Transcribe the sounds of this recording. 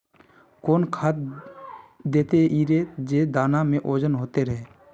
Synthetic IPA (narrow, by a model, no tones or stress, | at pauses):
koːnkʰaːt̪̚ | d̪eːt̪eʔiːɾeːd͡ʒeːd̪aːnamẽʔoːd͡ʒənɦoːt̪eɾəɦeː